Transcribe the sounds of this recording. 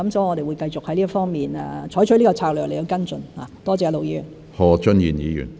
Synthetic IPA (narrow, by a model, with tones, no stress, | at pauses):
ɐ˨˥msɐ˨˧˥wŋɔ˨˧d̪e˨jwu˨˧jkɐ˧jt͡sʊ˨k̚hɐ˨jliː˥fɔː˥ŋmiː˨nɛ̰˨t͡ʃʰɔː˨˥jt͡ʃʰɵ˨˥jliː˥kɔ˧t͡sʰaː˧k̚lœː˨k̚le˨˩o˧wkɐ˥nt͡sɵ˨nhaː˨˩t̪ɔː˥t͡sɛː˧lo˨wjiː˧y˨˩n | hɔː˨˧t͡ʃɵ˥njiː˨˩njiː˨˧jy̰ː˨˩n